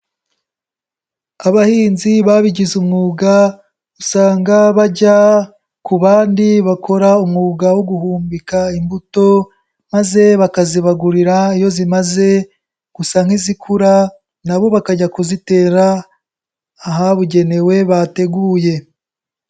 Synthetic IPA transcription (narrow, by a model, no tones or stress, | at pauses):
aβahiːnziβaβiɟizumŋuːɡa | usaːŋɡaβaɟa | kuβaːndiβakʰo̞ɾaumŋuːɡawoɡuhuːmbikaimbuto̞ | maze̞βakaziβaɡuɾiɾaijo̞zimaze̞ | ɡ̥usaːŋ̥hizikʰuɾa | naβo̞βakaɟakuzite̞ːɾa | ɦaβuɟe̞ne̞we̞βate̞ɡuje̞